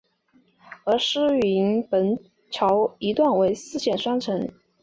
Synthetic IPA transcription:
ɤ˧˥ʂɻ̩˥˩i˧˥npə˧˥n | t͡ɕʰjɑ˧˥ʊi˧˥t̪wa˥˩nwe˧˥ɪsɹ̩˥˩ɕjɛ˨˩nʂwa˥ŋʈ͡ʂʰɤ˧˥ŋ

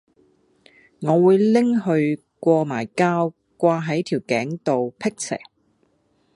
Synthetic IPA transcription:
ŋɔː˨˧wuː˨˧jlɪ˥ŋɦɵ˧ɥ | kʷɔː˧maː˨˩jkaː˥w | kʷaː˧ɦɐ˨˥jt̪ʰiː˨˩wkɛː˨˥ŋt̪o˨wpʰɪ˥k̚sʰɛ̰ː˨˩ŋ

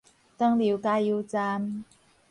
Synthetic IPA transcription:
t̪ɐ˥ŋli˨˧wkaː˧˥ji˧wt͡saː˧m

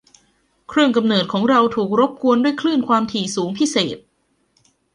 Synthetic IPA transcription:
kʰɾɯ˥˩əŋka˧mnɤː˨˩t̪̚kʰɔː˩˦ŋɾa˧wt̪ʰuː˨˩k̚ɾo˦˥p̚ku˧əndu˥˩əjkʰlɯː˥˩nkʰwaː˧mt̪ʰiː˨˩suː˩˦ŋpʰi˦˥seː˨˩t̪̚

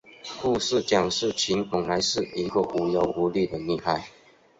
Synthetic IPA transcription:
ku˥˧s̩˥˨t͡ɕjɑ˨˩ŋʂɻ̩˥˨t͡ɕʰi˨˦npʊ˨˩ŋla˧˦ɪʂɻ̩˥˩i˧˥ɡə˨ʔu˨˩jo˨˩ʊu˧˦li˥˨d̪ə˨ni˥˧xa˥˩ɪ

